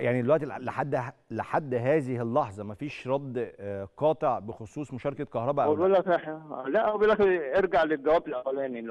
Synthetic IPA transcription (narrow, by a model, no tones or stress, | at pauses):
jaʕnid̪elwæʔt̪ileħad̪ːleħad̪ːɦæːzɪhɪlːɑħzˤɑmæfiːʃɾˤɑd̪ːqɑːt̪ˤeʕbexosˤuːsˤmoʃɑːɾˤɑkækɑhɾˤɑbæʔolælæseħlæʔwbelæxeɾɡaʕleɡæwæːbelʔawælæːni